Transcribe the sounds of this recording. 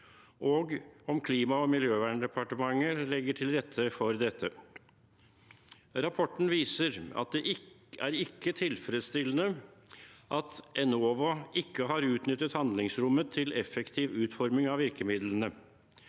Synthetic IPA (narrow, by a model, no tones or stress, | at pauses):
ʔoːɡɔmkʰliːmɑɔmɪljøːʋæːɳɖ̪ɛpʰɑʈəmɑŋːəlɛɡːəʈʰɪlɾɛt̪ʰːəfɔɾd̪ɛt̪ʰːə | ɾɑpʰɔʈːɳ̩ʋiːsəɾɑ̰t̪̚d̪ɛʔɪæɾɪkːət̪ʰɪlfɾɛd̪st̪ɪlːənə | ʔɑt̪ʔɛnoːʋʊɪkːəɦɑɾʉːt̪nʏt̪ːət̪hɑnd̪lɪŋsɾʊmːət̪ʰːɪlɛfɛkt̪ʰiːʋʉːt̪fɔɾmɪŋɑʋɪɾkəmɪd̪lənə